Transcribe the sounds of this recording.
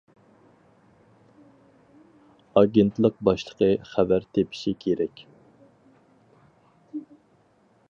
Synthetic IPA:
ɑɡʲent̪lˠəq̚bɑʃlˠə̥qʰəχævæɾt̪ʰepʰi̥ʃikʲʰeɾɛkʲ

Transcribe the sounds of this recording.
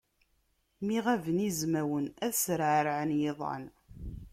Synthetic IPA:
miʁævənizmæwənæθsɾʕɾʕənjeðˤɑ̰n

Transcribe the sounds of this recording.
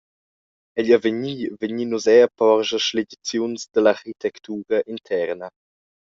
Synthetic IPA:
ɛʎavəɲivəɲiːnuzɛəpɔɾʒəʃled̪it͡sjunsd̪əlaɾxit̪ɛkt̪ʰuːɾəʔintʰɛɾnə

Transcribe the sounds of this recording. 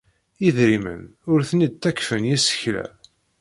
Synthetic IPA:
iðɾimə̰nʊɾθənid̪̚t̪ːækfənjæsə̥çlæ̰

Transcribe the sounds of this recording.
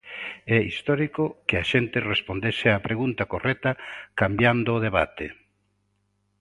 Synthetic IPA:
ɛist̪ɔɾikokɪaʃent̪ɪrespond̪esɪapɾeɣunt̪akorɛt̪akambjand̪ʊːðeβa̰t̪e

